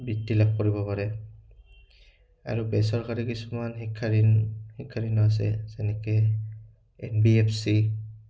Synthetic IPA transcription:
bitːilak̚koɹibɔpaɹɛ | a̰ɹubɛsɔɹkaɹikisumanxikʰːaɹinhikʰːaɹinɔas̬ɛ̰zɛnɛkɛ | ɛ̰nbiɛpʰsi

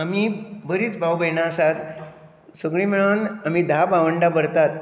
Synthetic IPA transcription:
amibəɾiːt͡sbʱawbəjnaəsat̪ | səɡɭimiɭanamid̪ʱabaʋəɳɖabəɾt̪at̪̚

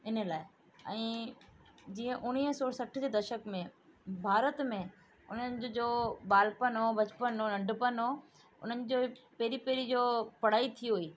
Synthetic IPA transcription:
ɪnə̆laːɪ | ɛ̰̃ː | d͡ʑiːə̃ʔʊniɦsoːɾsɐʈʰd͡ʑeːd̪ɐʃəkmẽ | bʱaːɾət̪mẽ | ʊn̤ənɪ̆d͡ʑd͡ʑoːbaːlpənɦoːbɐt͡ɕpənoːnɐ̃ɳɖʱpənɦoː | ʊ̰n̤ənɪ̆d͡ʑoːpeɦɾipeːɾid͡ʑoːpɐɽ̤aːit̪ʰiɦuiː

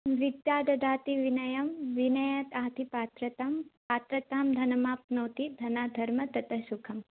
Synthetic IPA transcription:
ʋid̪jaːd̪ɐd̪aːt̪iʋinɐjɐmʋinɐjɐt̪aːt̪ʰipaːt̪ɾɐt̪ampaːt̪ɾɐt̪aːmd̪ʱɐnɐmaːp̚noːt̪id̪ʱɐnaːd̪ʱɐɾmɐt̪ɐt̪ɐsukʰɐm

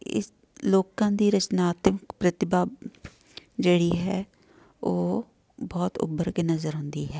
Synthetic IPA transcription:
ɪ̰s | loːkãːd̪iːɾət͡ʃnaːt̪məkpɾət̪ɪbaː | d͡ʒeːɽiːɦɛː | oː | bɔːt̪ʊ̰bəɾkeːnəzəɾɦʊ̃nd̪iːɦɛː

